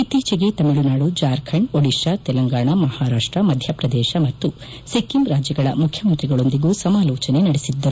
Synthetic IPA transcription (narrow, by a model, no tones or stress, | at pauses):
it̪iːt͡ʃɐɡe̞t̪ɐmiɭunaːɽud͡ʒaːɾkʰɐɳɖoɽiʃɐt̪ɛlɐŋɡaːɳɐmɐhaːɾaːʂʈɾɐmɐd̪ʱjɐpɾɐd̪ɛːʃɐmɐt̪ːu | sekːimɾaːd͡ʒjɐɡɐɭɐmukʰjɐmɐnt̪ɾiɡɐɭo̞nd̪iɡuːsɐmaːlɔːt͡ʃɐne̞nɐɽesid̪ːɐɾu